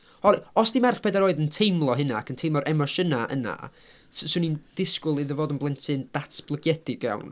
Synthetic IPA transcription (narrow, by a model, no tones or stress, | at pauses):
ɔɾɔsd̥imarχpʰɛdaɾoːɨðəntʰejmlˠɔɦɪnakʰəntʰejmɔɾʔɛmɔʃənaʔə̰na̰ | ssunind̥ɪskʊlˠiðəvoːdənblˠɛntʰɨnd̥atʰb̥lˠəɡjɛd̥ɪɡja̰wn